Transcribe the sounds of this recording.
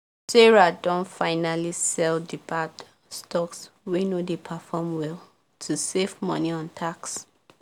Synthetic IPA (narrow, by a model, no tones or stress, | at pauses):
sɛɹadɔ̃nfaɪnalisɛldipat | stɔkswenodepʰafɔmwɛlˠ | tʰusevmɔ̰niɔ̃ntʰaks